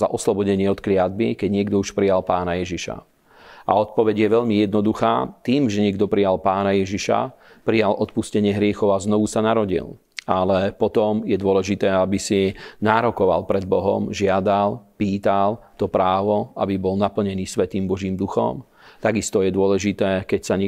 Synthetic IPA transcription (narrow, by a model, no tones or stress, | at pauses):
za̰ʔɔslɔbɔɟɛɲɪɛɔt̪klɪad̪bikɛɟɲɪɛɡ̚d̪ɔuʃpɾijalpaːnajɛʒiʃa̰ | ʔa̰ɔt̪̚pɔʋɛɟjɛʋɛʎmijɛd̪̚nɔd̪uxa̰ːt̪iːmʒɛɲɪɛɡd̪ɔpɾijalpaːnajɛʒiʃa̰ | pɾijalʔɔt̪̚puscɛɲɪɛɦɾɪɛxɔʊaznɔʋusanaɾɔɟḭl | alɛpɔt̪ɔmjɛd̪ʊɔlɛʒit̪ɛːabisinaːɾɔkɔʋa̰lpɾɛd̪̚bɔɦɔ̰mʒɪad̪alpiːt̪alt̪ɔpɾaːʋɔabibɔlnapl̩ɲɛniːsʋɛt̪iːmbɔʒiːmd̪uxɔ̰m | t̪aɡist̪ɔjɛd̪ʊɔlɛʒit̪ɛːkɛcsaɲ